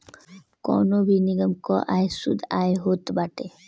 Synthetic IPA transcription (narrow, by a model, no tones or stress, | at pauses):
kɔ̰nobʱiniɡəmkɔʔajsṵd̪ajɦot̪baʈe